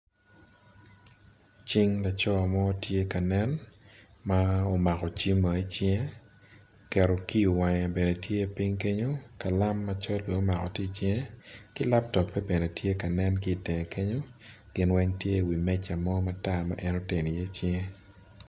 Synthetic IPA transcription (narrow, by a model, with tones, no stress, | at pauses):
t͡ʃi˦ŋla˨t͡ʃɔ˦a˨mɔ˦tje˦ka˨nɛ˦n | ma˦o˨ma˨kɔ˨t͡ʃi˦mːa˨i˦t͡ʃɪe˦ | kɛ˨ɾo˨ki˦u˨wa˨ŋa˨be˨ne˨tje˦˨pi˦ŋke˦ɲo˦ka˨la˦mːa˨t͡ʃɔ˦ldwe˨o˦ma˨kɔ˨ti˦t͡ʃjkɪ˦la˦p̚tɔ˨k̚pɛ˦be˨ne˨tje˦ka˨nɛ˦nkɪː˦˨tɪ˨ŋe˨ke˦ɲo˦ | ɡ̥ɪ˦nwɛ˦ŋtje˦˨wi˨mɛ˦t͡ʃa˨mɔ˦ma˨ta˦ma̰˨˦ʔɛ˦no˦te˨ni˨je˦t͡ʃɪ˦e˦